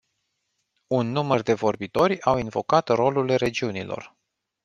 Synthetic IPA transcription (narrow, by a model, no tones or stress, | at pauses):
unːumərd̪e̞vo̞rbit̪o̞ɾʲawinvo̞kat̪ro̞lulre̞d͡ʒiunilo̞̰r